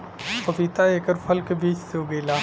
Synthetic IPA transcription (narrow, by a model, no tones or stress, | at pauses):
kɐbiːt̪aeːkəɾpʰɐlkebiːt͡ʃseoːɡeːlaː